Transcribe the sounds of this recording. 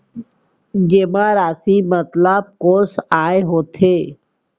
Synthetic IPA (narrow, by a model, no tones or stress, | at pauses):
ɡeːmaɾaːsimət̪lab̚koːsaːeɦoːt̪ʰeː